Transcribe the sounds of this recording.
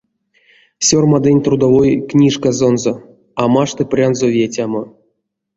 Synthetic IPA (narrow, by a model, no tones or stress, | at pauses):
sʲormad̪enʲt̪rud̪avojknʲiʂkazonzo | amaʂt̪ɨprʲanzovʲetʲamo